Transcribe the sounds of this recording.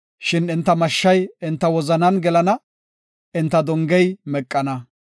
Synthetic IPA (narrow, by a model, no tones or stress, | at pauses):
ʃɪnɪnt̪ːɐmɐʃːɐjɪnt̪ːɐwɔzɐnɐnɡɛlɐnɐ | ɪnt̪ːɐd̪ɔŋɡɛjmɛkʼːɐnɐ